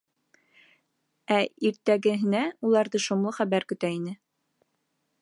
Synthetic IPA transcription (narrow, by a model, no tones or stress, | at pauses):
æiɾt̪æɡɘ̆ɦɘ̆næulˠɑɾðɤʃunlˠɤχæβæɾkɵ̆t̪æinɘ